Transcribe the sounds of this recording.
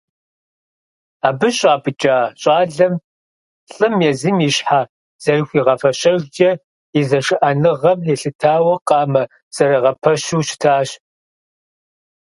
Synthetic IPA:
aːbɨɕʼaːpʰʼɨt͡ʃʼaːɕʼaːɮɐm | ɬʼɨmjɛzimiːɕħa | z̥ɐrɨxʷiːʁɐfɐɕɐʒd͡ʒʼɐ | izɐʂɨʔɐnɨʁɐmeɬɨtʰaːwɐqɑːmɐ | z̥ɐɾɐʁɐpʰɐɕuːʃɪ̥tʰaːɕ

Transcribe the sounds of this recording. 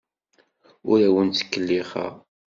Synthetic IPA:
ʊɾæwənt͡sːə̥kːəlːiχə̰ʁ

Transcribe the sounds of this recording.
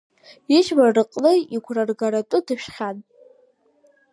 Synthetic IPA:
iʃmarɨqʼlɨiɡʷʰrarɡaɾatʼʊdɨpʰʃχʲan

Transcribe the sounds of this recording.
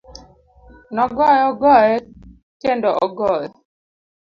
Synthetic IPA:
nɔɡɔjɔɡɔjɛ | kendɔʔɔɡɔjɛ

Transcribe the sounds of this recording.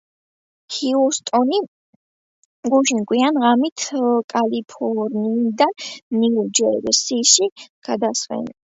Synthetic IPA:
hiust̪ʼɔni | ɡuʃinkʼwianʁamit̪ʰkʼalipʰɔɾniːd̪anniud͡ʒɛɾsiʃiɡ̥ad̪asvɛ̰n

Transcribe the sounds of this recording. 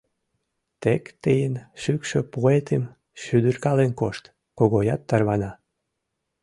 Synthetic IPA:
t̪ekt̪ejənʃykʃøpuet̪ʰem | ʃyd̪yrkɑlenkoʃt̪ | koɣojɑt̪ːɑrβɑnɑ

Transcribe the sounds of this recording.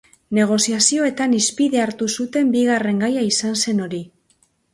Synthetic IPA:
ne̞ɣ̞o̞siasio̞e̞t̪anispiðe̞aɾt̪usut̪e̞mbiɣare̞ŋɡajaisanse̞no̞ɾi

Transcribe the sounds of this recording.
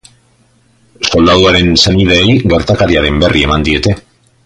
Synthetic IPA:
so̞ld̪aðuaɾe̞nse̞nið̞eːjɡe̞ɾt̪akaɾiaɾe̞mbe̞rʔie̞mand̪ie̞t̪e̞

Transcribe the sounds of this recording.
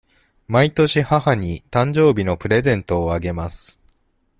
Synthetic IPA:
mait̪o̞ɕihahaɲ̟it̪ãɲ̟d͡ʑo̞ːbʲino̞pɯ̟ɾe̞zẽ̞nt̪o̞ːaɡe̞masɨ̥

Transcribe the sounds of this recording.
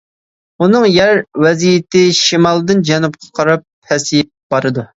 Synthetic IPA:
unɨŋjæɾwɛzijɪt̪ɪʃimɑlˠd̪ɨnd͡ʒɛnup̚qʰɑ̥qʰɑɾɑp̚hɛsijɛt̪̚b̥ɑɾɨd̪u

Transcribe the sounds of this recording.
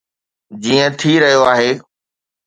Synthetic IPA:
d͡ʑiːə̃t̪ʰiɾɐɦijoaːɦeː

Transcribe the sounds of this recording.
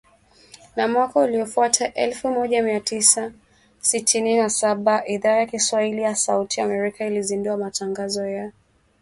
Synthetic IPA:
namwakauliɔfuatʰaʔɛlfumɔʄamiatisa | sitʰininasaɓaʔiðaːjakiswahilijasautʰiamɛɾikailizinduamataŋɡazɔja

